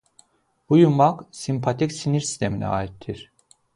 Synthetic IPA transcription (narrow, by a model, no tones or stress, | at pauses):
bujumaksimpʰat̪ʰicsiniɾsi̥st̪ʰe̞minɛ̰a̰ːit̪ʰːiɾ̥